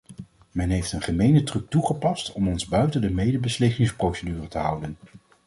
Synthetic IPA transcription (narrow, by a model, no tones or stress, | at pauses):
mɛnɦejftənχəmejnətrɵk̚tuχəpɑstɔmɔnzbœɥtəndəmejdəbəslɪkɪŋsprowsədyːrətəɦʌ̰wdən